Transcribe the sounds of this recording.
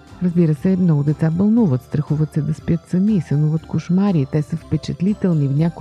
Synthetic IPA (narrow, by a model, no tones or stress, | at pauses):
ɾəzbiɾəsɛmnɔɡʊd̪ɛt̪sabɐlˠnuvət̪st̪ɾɐxuvət̪sɛd̪ɐspjət̪sɐmiːsɐnuvət̪kʊʃmaɾit̪ɛsəfpɛt͡ʃɛt̪lit̪ɛlˠnivnʲak